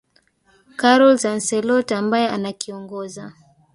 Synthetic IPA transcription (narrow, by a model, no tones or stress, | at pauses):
kaɾɔlzan̩sɛlɔtaambajɛanakiɔŋɡɔza